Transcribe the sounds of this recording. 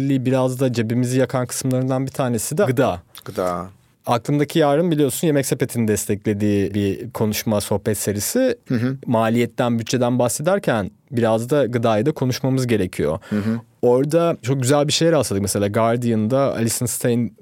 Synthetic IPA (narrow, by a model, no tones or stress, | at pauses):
lʲːiːbiɾazd̪ad͡ʒe̞bimizijakʰankʰɯ̥sɯmlˠaɾɯnd̪anbit̪ʰaːne̞sid̪ɛɡɯd̪aːɡ̥d̪a | aklˠɯmd̪acʰijaːɾɯmbilʲijo̞sunje̞mɛcse̞pe̞t̪ʰinid̪ɛst̪ʰɛclʲe̞d̪iːbikʰo̞nuʃmaso̞hpɛt̪se̞ɾisimaːlʲijɛt̪ːænbyt̪t͡ʃʰːe̞d̪ænbaxse̞d̪æɾcʰæn | biɾazd̪aɡɯd̪aːjad̪akʰo̞nuʃmamɯzɟe̞ɾe̞cʰijo̞̰ | oɾd̪at͡ʃʰo̞k̚ɟyzælʲbiʃejɛɾalˠad̪ɯkmɛselʲaːɡaɾd̪ijɯnd̪aa̰lʲisɯnst̪ʰejn